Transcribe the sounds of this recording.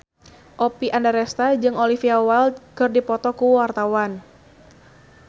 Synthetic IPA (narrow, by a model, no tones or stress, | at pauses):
ʔɔpiʔandaɾɛst̪ad͡ʒɨŋolifiawald̪̚kɨrdipɔt̪ɔkuwart̪awan